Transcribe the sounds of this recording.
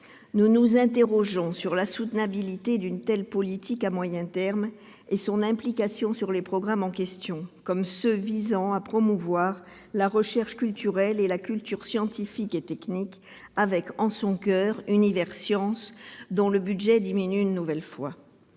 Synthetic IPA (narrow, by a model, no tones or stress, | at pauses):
nunuzɛ̃t̪̬eʁɔʒɔ̃syʁlasut̪nabilit̪ed̪ynt̪ɛlpɔlit̪ikamwajɛ̃t̪ɛʁm | esɔ̃nɛ̃plikasjɔ̃syʁlepχɔɡʁamɑ̃kɛst̪jɔ̃kɔmsəvizɑ̃apχɔmuvwaʁ | laʁəʃɛʁʃkʲylt̪yʁɛlelakʲylt̪yʁsjɑ̃t̪ifiket̪ɛknik | avɛkɑ̃sɔ̃kœːʁynivɛʁsjɑ̃sd̪ɔ̃ləbyd̪ʒɛd̪iminyynːuvɛlfwa